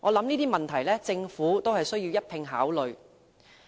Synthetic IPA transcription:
ŋʔɔː˨˧lɐ˨˥mniː˥t̪iː˥mɐ˨nt̪ʰɐ˨˩jlɛː˥t͡sɪ˧ŋfuː˨˥t̪o˥wɦɐ˨jsɵ˥ɥjiː˧wjɐ˥t̚t̪ʰɪ˧ŋɦaː˨˥wlɵ˨ɥ

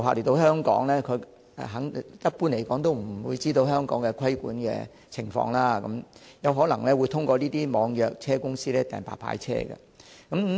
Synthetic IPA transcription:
waː˨le˨˩t̪o˧whœː˥ŋkɔ̰ː˨˥ŋlɛː˥kʰɵ˨˧ | ɛ̰˨ɦɐ˨˥ŋjɐ˥t̚puː˥nle˨˩jkɔː˨˥ŋt̪o˥wm̩˨˩˨wuː˨˧jt͡siː˥t̪o˧wɦœː˥ŋkɔː˨˥ŋkɛ˧kʰɐ˥jkṵː˨˥nkɛ̰ː˧ | t͡sʰɪ˨˩ŋfɔ̰ː˧ŋlaː˥kɐ˨˥mjɐ˨˧wɦɔː˨˥lɐ˨˩ŋlɛː˥wuː˨˧jt̪ʰʊ˥ŋkʷɔː˧liː˥t̪iː˥mɔː˨˧ŋjœː˨k̚t͡sʰɛː˥kʊ˥ŋsiː˥lɛː˥t̪ɛː˨npa̰ː˨˩pʰa̰ː˧˥jt͡sʰɛ̰ː˥ɡɐ̰˧ | kɐ˨˦m

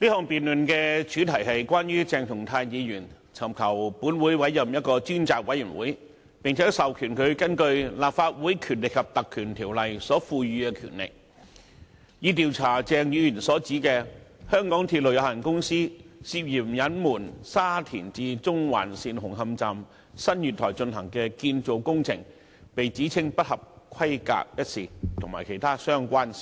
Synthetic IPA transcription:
liː˥hɔː˨ŋpiː˨nlɵ˨nkɛː˧t͡ʃʰyː˨˥t̪ʰɐ˨˩jɦɐ˨jkʷwaː˥njyː˥t͡sɛː˨ŋt̪ʰʊ˨˩ŋt̪ʰaː˧jjiː˨˧jyː˨˩n | t͡sʰɐ˨˩mkʰɐ˨˩wpuː˨˥nwuː˨˥jwɐ˨˥jjɐ˨mjɐ˥t̚kɔː˧t͡ʃyː˥nt͡saː˨k̚wɐ˨˥jːyː˨˩nwuː˨˥j | pɪ˨ŋt͡sʰɛː˨˥sɐ˨wkʰyː˨˩nkʰɵ˨˧ɥkɐ˥nkɵ˧ɥlaː˨p̚faː˧t̚wuː˨˥jkʰyː˨˩nlɪ˨kʰɐ˨p̚t̪ɐ˨kʰːyː˨˩nt̪ʰiː˨˩wlɐ˨jsɔː˨˥fuː˧ɥyː˧kɛː˧kʰy̰˨˩nlɪ̰˨k̚ | jiː˨˧t̪̬iː˨wt͡sʰaː˨˩t͡sɛː˨˧ŋjyː˨˧jyː˨˩nsɔː˨˥t͡siː˨˥kɛː˧hœː˥ŋkɔː˨˥ŋt̪ʰiː˧t̚lə˨˩wjɐ˨˧whɐ˨˩nkʊ˥ŋsiː˥siː˧p̚jiː˨˩mjɐ˨˥nmuː˨˩nsaː˥t̪ʰḭː˨˩nt͡siː˧t͡sʊ˥ŋwa̰ː˨˩nsiː˧nhʊ˨˩ŋɦɐ˧mt͡saː˨m | sɐ˥njyː˨t̪ʰɔː˨˩jt͡ʃɵ˧nɦɐ˨˩ŋkɛː˧kiː˧nt͡so˨˧wkʊ˥ŋt͡sʰɪ̰˨˩ŋ | pe˨jt͡siː˨˥t͡sʰɪ˥ŋpɐ˥t̚hɐ˨p̚kʰɐ˥jka̰ː˨k̚jɐ˥t̚siː˨˩t̪ʰʊ˨˩ŋmaː˨˩jkʰe˨˩jt̪ʰaː˥sœː˥ŋkʷaː˥n

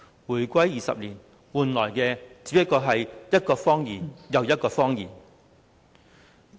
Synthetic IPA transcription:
wuː˨˩jkʷɐ˥jːiː˨sɐ̰˨p̚liː˨˩n | wuː˨nlɔː˨˩jkɛː˧t͡si̥ː˨˧˥pɐ˥t̚kɔː˧ɦɐ˨jjɐ˥t̚kɔː˧fɔː˥ŋjiː˨˩njɐ˨wjɐ˥t̚kɔː˧fɔː˥ŋjiː˨˩n

